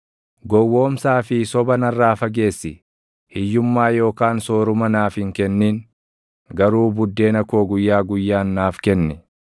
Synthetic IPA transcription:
ɡɔwːo̞ːmsaːfɪsɔbɐnɐrːaːfɐɡe̞ːsːɪ | hɪjːʊmːaːjo̞ːkaːnso̞ːɾʊmɐnaːfɪŋkɛnːiːŋ | ɡɐɾuːbʊd̪ːe̞ːnɐko̞ːɡʊjːaːɡʊjːaːnːaːfkɛnːɛ

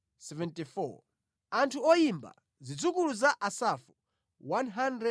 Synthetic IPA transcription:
sɛvɛntifɔ̰ | antʰuɔjimba̰ | zid͡zukuluzaʔasafu | wanɦandɾɛ

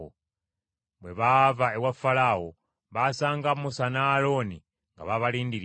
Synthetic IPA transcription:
o̰ | βweβavaewafalawo | βasaːŋɡamusanalo̞ni | ŋɡa̰βaβaliːndiɾ

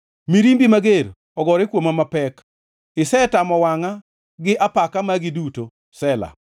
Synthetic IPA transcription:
miɾimbimaɡeɾ | ɔɡɔɾekwomamapɛk | ɪsɛtamɔwaŋa | ɡɪʔapakamaɡɪduto | sɛla̰

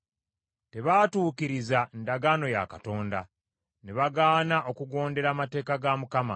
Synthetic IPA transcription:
te̞βaːtuːkiɾizandaɡaːno̞ja̰kato̞ːnda̰ | neβaɡaːnaʔo̞kuɡo̞ːnde̞ɾamate̞ːkaɡamukama̰

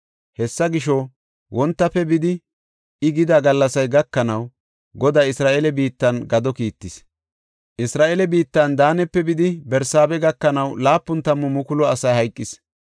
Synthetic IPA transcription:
hɛsːɐɡɪʃɔ | wʔɔnt̪ːɐpːɛbɪd̪ɪ | ʔɪɡɪd̪aɡɐlːɐsɐjɡɐkːɐnɐw | ɡɔd̪aːɪsɾaːʔelɛbiːt̪ːɐnɡɐd̪ɔkiːt̪ːɪs | ʔɪsɾaːʔeːlɛbiːt̪ːɐnd̪aːnɛpːɛbɪd̪ɪbɛɾsaːbɛɡɐkːɐnɐwlaːpːʊnt̪ɐmːɔmʊkʊlɔɐsɐjhɐjkʼːɪs

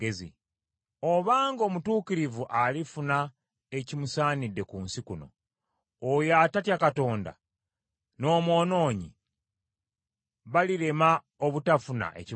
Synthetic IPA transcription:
ezḭ | o̞βaːŋɡo̞ːmutuːciɾivuʔalifuna | e̞cimusaːnidːe̞kunsikuno̞̰ː | jaːtatjakato̞ːnda̰ | no̞ːmo̞ːno̞ːɲḭ | βaliɾe̞ma | oβutafuna̰ʔe̞̰ci

